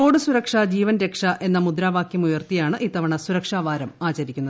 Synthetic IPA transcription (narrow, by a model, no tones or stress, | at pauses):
o̞ːɽɨsuɾɐkʂad͡ʑiːʋɐnɾe̞kʂɐʔe̞nːɐmud̪ɾaːʋaːkjɐmujɐrt̪ijaːɳɨʔiːt̪ːɐʋɐɳɐsuɾɐkʂaːʋaːɾɐmaːt͡ɕɐɾikʲːunːɐð